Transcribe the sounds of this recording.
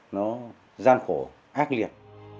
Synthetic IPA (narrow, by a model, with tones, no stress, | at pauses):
nɔ˨˦ | zaː˧nxo˧˩ | ʔaː˦˥k̚li˨˩ət̚